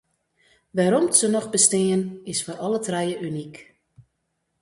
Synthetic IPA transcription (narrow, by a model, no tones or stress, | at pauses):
ʋaɾɔmtsənɔxbəstɪːənɪsforɔlətrɛjəʔynik